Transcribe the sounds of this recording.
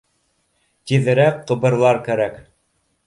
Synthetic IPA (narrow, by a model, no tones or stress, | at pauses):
t̪iðɘ̆ɾækqːɤ̆bɤ̆ɾlˠɑɾkæɾæk